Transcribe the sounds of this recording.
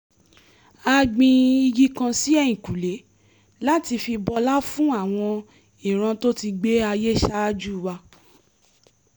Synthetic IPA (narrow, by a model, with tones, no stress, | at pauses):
a˧ɡ͡bĩ˧i˧ɡi˦kã˧si˦ɛ˦j̃ĩ˨ku˨le˨˦ | la˦ti˧fi˧bɔ˧la˦fũ˦a˦˨w̃ɔ̃˧ | i˨ɾ̃ã˧to˦ti˧ɡ͡be˦a˧je˦ʃa˦d͡ʒu˦˨wa˧